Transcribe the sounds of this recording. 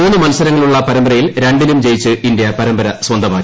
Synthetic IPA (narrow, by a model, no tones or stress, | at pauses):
uːnːɨmɐlsɐɾɐŋːɐɭuɭːɐpɐɾɐmbɐɾɐjilɾe̞ɳɖinumd͡ʑe̞jit͡ɕːɨʔind̪jɐpɐɾɐmbɐɾɐswɐnd̪ʱɐmaː